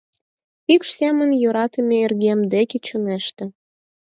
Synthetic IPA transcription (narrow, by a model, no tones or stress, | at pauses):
ikʃsemə̆njoɾɑt̪əmʲeerɣemd̪eket͡ɕoneʃt̪ĕ